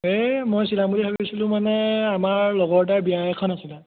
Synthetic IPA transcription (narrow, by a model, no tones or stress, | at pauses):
emojsilamuliɦʰobisilʊ̃manɛamaɹlɔɡɔɹt̬aɹbiajɛkʰɔnasila